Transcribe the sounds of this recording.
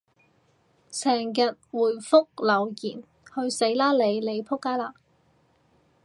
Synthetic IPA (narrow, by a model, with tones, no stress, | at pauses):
sɛː˨˩ŋjɐ˨t̚wuː˨˩jfʊ˥k̚lɐ˨˩wjiː˨˩n | hɵ˧ɥse˨˥jlaː˥le˨˧jle˨˧jpʰʊ˥kːaː˥jlaː˧